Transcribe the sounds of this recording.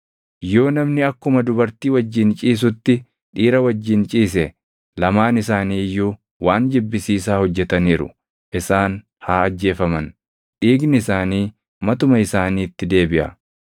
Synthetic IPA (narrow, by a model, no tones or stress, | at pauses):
jo̞ːnɐmnɪɐkːʊmɐd̪ʊbɐɾt̪iːwɐd͡ʒːɪnt͡ʃʼiːs̬ʊt̪ːɪ | ᶑiːɾɐwɐd͡ʒːɪnt͡ʃʼiːs̬ɛ | lɐmaːnɪsaːniːjːuː | waːnd͡ʒɪbːɪsiːs̬aːhɔd͡ʒːɛt̪ɐniːɾʊ̰ | ʔɪsaːn | haːɐd͡ʒːe̞ːfɐmɐn | ᶑiːɡnɪɪsaːniː | mɐt̪ʊmɐɪsaːniːt̪ːɪd̪e̞ːbɪʔɐ̰